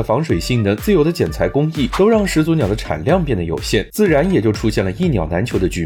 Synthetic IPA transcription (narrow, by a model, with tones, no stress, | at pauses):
fɑ˧˥ŋʂwe˨˩ɪɕi˥˩ŋnə˧˥t͡sɹ̩˥˩jo˧˩ʊd̪ə˦t͡ɕjɛ˨˩nt͡sʰa˧˥ɪkʊ˥ŋi˥˩t̪o˥ʊɻɑ˥˩ŋʂɻ̩˧˥t͡swnjɑ˨˩ʊd̪ə˦ʈ͡ʂʰa̰˨˩nljɑ˥˧ŋpjɛ˥˩nd̪ə˩jo̰˨˩ʊɕjɛ˥˩nt͡sɹ̩˥˩ɻa˧˥njɛ˨˩t͡ɕjo˥˩ʊʈ͡ʂʰu˥ɕjɛ˥˩nlə˩i˥˩njɑ˨˩ʊna˧˥nt͡ɕʰjo˧˥ʊd̪ə˧t͡ɕy˧˥˩